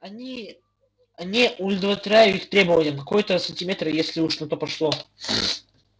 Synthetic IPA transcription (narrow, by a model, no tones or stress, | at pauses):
ɐnʲi | ɐnʲɪʔʊlʲɪd̪vət̪ʲɾʲæjʊixt̪ɾʲe̞bəvənʲɪjəkɐkojət̪əsənʲtʲɪmʲe̞t̪ɾjesʲlʲɪuʂnɐt̪o̞pɐʂlˠo